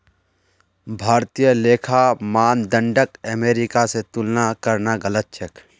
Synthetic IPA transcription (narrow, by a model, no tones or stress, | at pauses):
bʱaːɾt̪ijəleːkʰamaːnd̪ə̃ɳɖəkəmeːɾɪkaset̪ʊlnakɐɾnaɡələt̪̚t͡ʃʰək